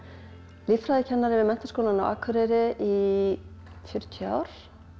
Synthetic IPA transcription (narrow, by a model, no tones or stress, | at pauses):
liffɾajðɪcʰɛnːaɾɪvɪðmɛn̥t̪ḁskowlana̰wa̰ːkʰʏɾɛɾɪʔi | fjʏɾ̥t̪ʰʏa̰ːwɾ̥